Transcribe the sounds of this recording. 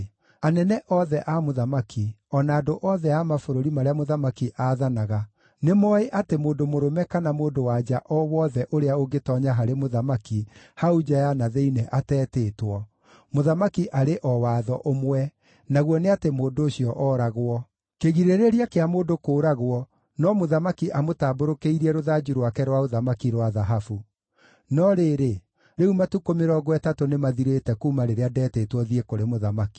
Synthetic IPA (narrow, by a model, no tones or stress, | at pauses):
anɛnɛʔɔðɛʔamoðamaki | ɔnaːdoʔɔðɛamafoɾoɾimaɾeamoðamakiʔaðanaɣa | nemɔeʔatemoːndomoɾomɛkanamoːndowad͡ʒaʔɔwɔðɛʔoɾeaoɡetɔɲaɦaɾemoðamaki | haud͡ʒajanaðeinɛʔatɛːteːtwɔ | moðamakiʔaɾeʔɔwaðɔʔomwɛ | naɣwɔneatemoːndooɕiɔʔɔɾaɣwɔ | keɣiɾeɾeɾiakeamoːndokoːɾaɣwɔ | nɔmoðamakiʔamotaːboɾokeiɾiɛɾoðad͡ʒiɾwakɛɾwaoðamakiɾwaðaɦafu | nɔɾeːɾe | ɾeumatukomeɾɔɡwɛtatonemaðiɾetɛkuːmaɾeɾeadɛːtetwɔðiekoɾemoðamaki̥